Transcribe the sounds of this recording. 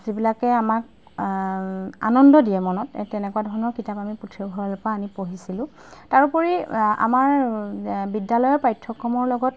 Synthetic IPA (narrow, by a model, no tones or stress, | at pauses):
zibilakɛamak̚ | a̰nɔndɔdiɛmɔnɔttɛnɛkuwadʱɔɹnɔɹkitapamiputʰɹibʱɔɹɔlopaːnipoɦisilʊ̃ | taɹupɔɹia̰maɹ | bidalɔjɔpajtʰːɔkːɔmɔɹlɔɡɔt